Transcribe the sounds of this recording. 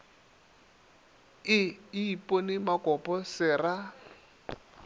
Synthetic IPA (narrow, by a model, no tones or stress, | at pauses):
ɪiipʼonɪmakʼɔpʼɔsɪːra